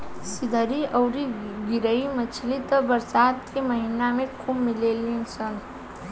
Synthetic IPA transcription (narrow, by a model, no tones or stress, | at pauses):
sid̪ʱəɾiʔʌwɾiɡiɾəjmʌt͡sʰilit̪ʌbʌɾsad̪kemʌɦinamekʰubmilelint͡sʰʌn